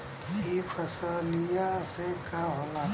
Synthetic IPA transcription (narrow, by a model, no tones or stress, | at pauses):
ifɐsalijasekaɦolaː